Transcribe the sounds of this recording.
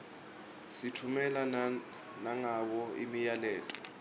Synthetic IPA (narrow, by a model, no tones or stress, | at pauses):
sitʰumɛla | naŋaw̬ɔḭmijalɛːtʼɔ̥